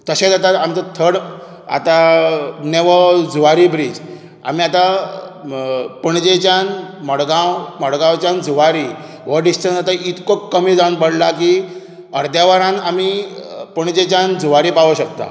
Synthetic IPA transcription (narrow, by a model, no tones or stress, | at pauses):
t̪əɕẽd͡z̪at̪aamt͡sat̪ʰəɽ | a̰t̪aneʋəd͡zuʋaɾibɾid͡z | a̰miːat̪a | pəɳd͡ʑet͡ɕanməɽɡãwməɽɡãwt͡ɕãnd͡zuʋaɾi | ʋəɖisʈənsat̪aʔit̪kokːəmid͡zanbəɽlaki | əɾd̪jaʋaɾãnamipəɳd͡ʑet͡ɕãnd͡zuʋaɾipaʋəɕək̚t̪a̰